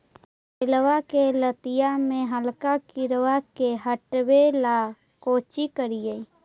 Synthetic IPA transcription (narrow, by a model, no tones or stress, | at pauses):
pɪlwakelət̪ɪjamẽɦəlkakɪɾwakeɦəʈwela | koːt͡ʃikəɾijəi